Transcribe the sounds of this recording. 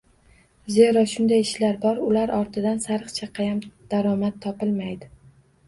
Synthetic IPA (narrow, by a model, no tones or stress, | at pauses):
ze̞ɾɒʃʊnd̪ajɪʃlaɾbɒɾʊlaɾʔɒɾt̪ʰɪd̪ansaɾɨqt͡ʃʰaqʰɑjamd̪̥aɾɒmat̪ʰːɒpɪlmajd̪ɪ